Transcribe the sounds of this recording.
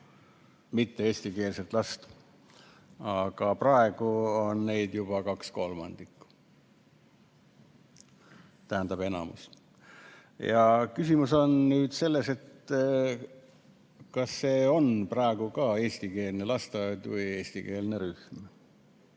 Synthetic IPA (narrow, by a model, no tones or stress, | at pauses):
mit̪ːeeːsʲt̪ike̞ːlset̪ːˑlɑst̪ | ɑɡ̥ɑprɑe̞ɡ̥uo̞nːe̞jd̪̥jub̥ɑkɑksko̞lmɑ̰nd̪̥ikː | t̪æɦænd̪ɑbe̞nɑ̰mṵs | jɑkysimuso̞nnyːd̪̥se̞lːe̞set̪ | kɑsːe̞ːo̞npɾɑe̞ɡ̥ukɑːe̞ːsʲt̪ike̞ːlnelɑst̪ɑjd̪vɨje̞ːsʲt̪ike̞ːlneɾyhm